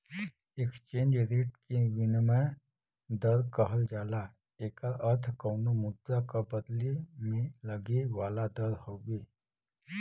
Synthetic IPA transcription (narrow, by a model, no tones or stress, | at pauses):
ekst͡ʃẽːnd͡ʒɾeːʈ̚keʋɪnmə | d̪ɐɾkɐɦəld͡ʒaːla | eːkəɾɐɾt̪ʰkɔːnomʊd̪ːakabɐd̪limẽlɐɡiʋaːlad̪ɐɾhoːɡiː